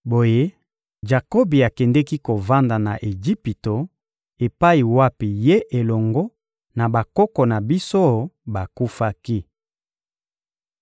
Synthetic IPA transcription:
bo˨je˦ | d͡ʒa˨ko˦bi˨a˨kɛ˨ndɛ˦ki˦ko˨va˦nda˨na˨ʔe˨d͡ʒi˦pi˨to˨ | e˨pa˦i˨wa˦pi˨je˦ʔe˨lɔ˨ŋɡɔ˦ | na˨ba˨kɔ˦kɔ˨na˨bi˦so˦ba˨ku˦fa˦ki˦

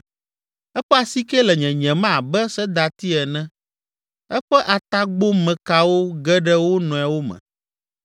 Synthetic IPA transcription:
ɛ˦ɸɛ˦a˨si˦kɛ˦lɛ˨ɲɛ̃˨ɲɛ̃˨mã˦˨bɛ˦sɛ˦d̪a˨t̪i˦ɛ˨nɛ̃˦ | ɛ˦ɸɛ˦ʔa˨t̪a˦ɡ͡bo˦mɛ̃˨ka˦wo˦ɡɛ˦ɖɛ˦wo˦nɔ̃˨a˨wo˦mɛ̰̃˨

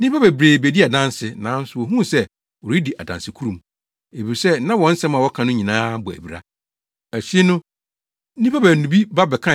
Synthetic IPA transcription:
n˦ĩ˦pa˦bæ˨bɾeː˨be˨di˦a˨dã˦n˦sɪ˨nã˨˦n̩˦sʊ˨wo˨ɦũ˦˨sɛ˦ | wɔ˨ɾi˦di˨ʔa˨dã̰˨nsɪ˨kʰu˦ɾũ˨m | e˨bi˨ɾsɛ˦nã˦wɔ̃˨˦n̩˦sɛ̃˦ma˨wɔ˦kʰã˨nʊ̃˦ɲĩ˨nãː˦bʊ˨æ̰˨bi˨ɾa̰˦ | æ˨ɕᶣi˦nʊ̃˦ | nĩ˦pʰa˦bæ˨nũ˨bi˦ba˦bɛ˨kʰã˦

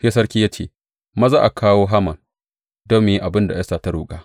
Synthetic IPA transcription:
ɸe˦sɐ˦rkʲiː˦ja˦t͡ʃeː˦˨ | mɐ˦zaː˦ʔa˨kʰaː˦woː˦ɦa˦mɐ˨n | do˦mːʊ˨ji˦ʔa˨bɪ˦nda˨jɐ˦saː˨ta˦ɽṵː˦kʼaː˦

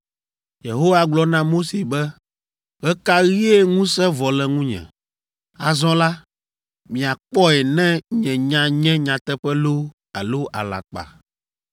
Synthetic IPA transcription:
je˨ɦo˦wa˦ɡ͡blɔ˦nã˦mo˦se˨bɛ˦ | ɣɛ˦ka˦ɣi˦ɛ˦ŋũ˦sɛ˦vɔ˨lɛ˨ŋũ˦ɲɛ̰̃˨ | a˨zɔ̃˦la˦ | mĩ˨a˨k͡pɔ˦ɛ˨nɛ̃˦ɲɛ̃˨ɲã˨ɲɛ̃˦ɲã˨t̪ɛ˦ɸɛ˦lo˦ | a˨lo˦ʔa̰˨la̰˨k͡pa̰˨

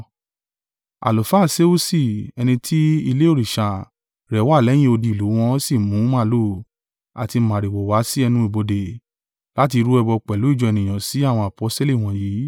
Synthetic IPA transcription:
a̰˨lo˨fa˦˨se˦u˦si˦˨ɛ˧nĩ˧tʰi˦i˧le˦o˦˨ɾi˨ʃa˨ | ɾɛ˨˦wa˦˨lɛ˨˦j̃ĩ˦o˧di˧i˨lu˨˦w̃ɔ̃˦si˦˨mũ˨˦mã˦˨lo˦˨ | a̰˨ti˧mã˨ɾi˨wɔ˨wa˨˦si˦ɛ˧nũ˧˦i˨bo˧de˨ | la˦ti˧ɾu˦ɛ˧bɔ˧k͡pɛ˨lu˨˦i˦˨d͡ʒɔ˧ɛ˧˨nĩ˨j̃ã˨si˨˦a˦˨w̃ɔ̃˧a˨pɔ˨˦ste˦li˦˨w̃ɔ̃˨jiː˨˦

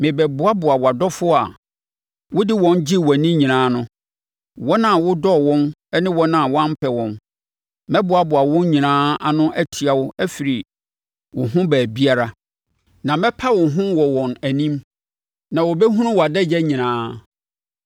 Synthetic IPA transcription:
mɪ̃˨bɛ˨bʊ˨˦a˦bʊ˨a˨wa˨dɔ˦fʊ˦a̰˨ | wʊ˦dɪ˦wɔ̃˨nd͡ʑɪ˦wa˨nĩ˦ɲĩ˨nãː˨˦nʊ̃˦ | wɔ˦nã˨wʊ˦dɔ˦wɔ̃˦nɛ˦nɪ̃˦wɔ̃˦nã˦˨wʊ˦ã˦m˦pʰɛ˨wɔ̃˨n | mɛ˦bʊ˨˦a˦bʊ˨a˨wɔ̃˦n˦ɲĩ˨nãː˦a˨nʊ̃˦ʔæ˦tʰi˨a˨wʊ˦æ˦fi˨ɾi˨ | wʊ̃˨ɦʊ̃˦bæː˨bi˦a˦ɾa˦ | nã˨mɛ̃˦pʰa˦wɔ̃˨ɦʊ̃˦wɔ˨wɔ̃˨næ˨nĩ˦m | nã˨wɔ˨bɛ˦ɦũ˦nʊ̃˦wa˨dɛ˦d͡ʑɛ˦ɲĩ˨nãː˨˦

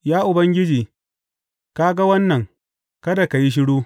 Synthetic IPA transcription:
jaː˦ʔʊ˨bɐ˦ŋɡʲɪ˦d͡ʒiː˨ | ka˦ɡa˦wɐ˦nːɐ˨ŋ | kɐ˦da˨ka˨ji˦ʃ̬ɪ˦ɽuː˦

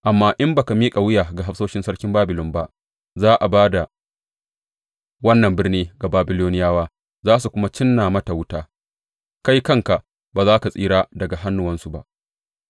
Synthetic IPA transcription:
ʔa˨mːaː˦ʔɪ˦mba˨ka˨miː˦kʼa˨wɪ˦jaː˨ɡa˨ɦa˦ɸsoː˦ʃɪ˦nsɐ˦ɽkʲɪ˦mbaː˦bɪ˨lʊ˦mba˦ʔ | zaː˦ʔa˨baː˦da˨ | wɐ˦nːɐ˨mbɪ˦rniː˦ɡa˨baː˨˦bɪ˦loː˦nɪ˦jaː˦waː˦ | zaː˦s̬u˨kʷʊ˦ma˦t͡ʃɪ˦nːa˨mɐ˦ta˨wʊ˦taː˦ | ka˦jkɐ˦˨ŋka˨ʔ | baː˨zaː˦ka˨sʼiː˦ɽaː˦dɐ˨ɡa˨ɦa˦nːʊ˨wɐ˦nsu˨ba̰˦ʔ

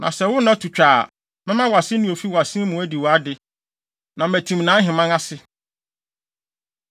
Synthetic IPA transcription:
nʔã̰˨sɛ˨wʊ˦nã˦tʰu˨t͡ɕᶣaː˨ | mɪ̃˦mã˦wa˨sɪ̃˦nũ˨o˨fi˦wa˨sɪ̃˦mʊ̃˨æ˦di˨wɔ˨a˦dɪ˨ | nã˨mæ˨tʰĩ˨mnã˨˦ɦɪ̃˨mã˦ŋa˦sɪ˦

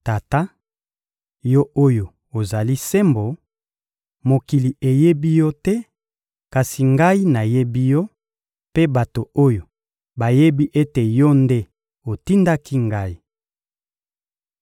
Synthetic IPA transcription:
ta˨ta˦ | jɔ˦o˦jo˨ | o˨za˨li˦se˦mbo˨ | mo˨ki˨li˨ʔe˨je˦bi˦jɔ˦tɛ˦ | ka˨si˨ŋɡa˦i˦na˨je˦bi˦jɔ˦ | pe˦ba˨to˨o˦jo˨ | ba˨je˦bi˦ʔe˦te˨jɔ˦nde˦ | o˨ti˦nda˦ki˦ŋɡa˦i˦

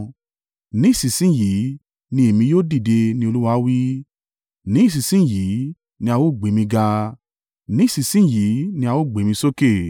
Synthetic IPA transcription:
nĩ˨˦˨sĩ˨sĩ˦˨ji˨˦ | nĩ˧e˨mĩ˧joː˦di˦˨de˧nĩ˧o˧lu˦wa˧˦wi˦ | nĩ˨˦˨s̬i˨sĩ˦˨ji˨˦ | nĩ˧a˧wo˦˨ɡ͡be˨˦mĩ˧ɡa˧ | nĩ˦i˦˨si˨sĩ˦˨ji˨˦nĩ˧a˧wo˦˨ɡ͡be˨˦mĩ˧so˦ke˦˨

